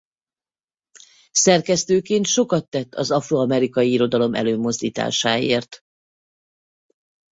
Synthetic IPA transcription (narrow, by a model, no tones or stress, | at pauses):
sɛrkɛst̪øːkeːnt̪ʃo̞kɒt̪ːɛt̪ːɒzɒfroɒmɛɾikɒjiiɾo̞d̪ɒlo̞mʔɛ̰løːmo̞zd̪iːt̪a̰ːʃaːeːrt̪